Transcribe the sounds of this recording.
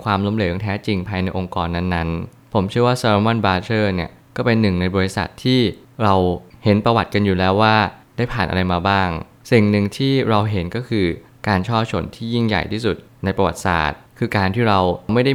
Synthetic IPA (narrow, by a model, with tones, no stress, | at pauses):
kʰwaː˧mlo˦˥mleː˨˩˦ŋt̪ʰɛː˦˥t͡ɕi˧ŋpʰaː˧jna˧jʔo˧ŋkɔː˧nːa˦˥nːa˦˥n | pʰo˩˦mt͡ɕʰɯ˥˩ɐwaː˥˩saː˧ɾa˦˥ma˥˩nbaː˧t͡ɕʰɤː˥˩ni˥˩ɐ | kɔː˥˩pe˧nːɯ˨˩ŋna˧jbɔː˧ɾi˦˥sa̰˨˩t̪ʰːiː˥˩ | ɾa˧whe˩˦npɾa˧wa˨˩t̪̚ka˧njuː˨˩lɛː˦˥wːaː˥˩daː˥˩jpʰaː˨˩nʔa̰˧ɾa˧jmaː˧baː˥˩ŋ | si˨˩ŋnɯ˨˩ŋt̪ʰiː˥˩ɾa˧wɦe˩˦nkɔː˥˩kʰɯː˧ | kaː˧nt͡ɕʰɔː˥˩p̚t͡ɕʰo˧˩˦nt̪ʰiː˥˩ji˥˩ŋja̰˨˩jt̪ʰiː˥˩su˨˩t̪̚na˧jpɾa˧wa̰˨˩t̪̚sa̰ː˨˩t̪̚kʰɯː˧kaː˧nt̪ʰiː˥˩ɾa˧wwma˥˩jda˥˩